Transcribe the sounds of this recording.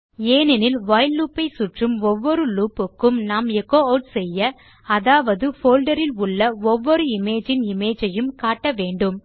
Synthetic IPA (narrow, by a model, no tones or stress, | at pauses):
eːnɛnɪlʋɐjlːuːpːɐɪsʊʈrɯmɔʋːɔɾɯluːpɯkːɯmnaːmɛkːoːɐʊʈsɛjːɐ | ɐðaːʋɐðɯfoːlɖɐɾɪlʊɭːɐɔʋːɔɾɯɪmeːd͡ʒɪnɪmeːd͡ʒɐjɯmkaːʈːɐʋeːɳɖɯm